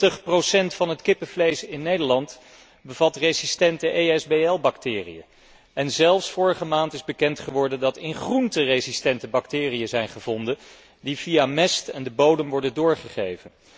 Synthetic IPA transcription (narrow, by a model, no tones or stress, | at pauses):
təχprowsɛntfɑnɦətkɪpəvlejsɪnːejdəɹlɑnt | bəv̥ɑtrezistɛntəʔejɛzbeɛlˠbɑktɪːrḭə̰ | ɛnzɛlˠfsfʊːɹəχəmaːntɪzbəkɛntχəʋɔɹdəndɑtɪnχruntərejzistɛntəbɑktɪːrijəzɛjnχəvɔndən | divijamɛstɛndəbowdəmʋɔɹdəndʊːɹχəχejvən